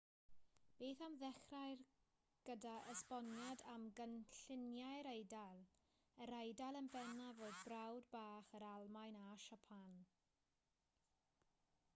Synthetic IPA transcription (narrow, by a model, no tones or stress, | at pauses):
b̥eːθamðɛχrajr | ɡ̥ədaʔəspɔnjadamɡənɬɪnjajɾejdalˠ | əɾejdalˠənbɛnavoːdbrawdbaːχəɾalˠmajnaʃapʰan